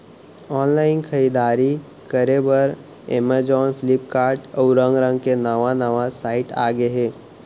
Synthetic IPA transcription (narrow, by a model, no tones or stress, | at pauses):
ɔːnlaːɪnkʰəɾiːd̪aːɾi | kəɾebəɾ | ḛməd͡ʒɔːnpʰɪlɪp̚kaːɾʈɔːɾə̃ŋɡɾə̃ŋɡ̚kenəʋanəʋasaːɪʈa̰ːɡeɦeː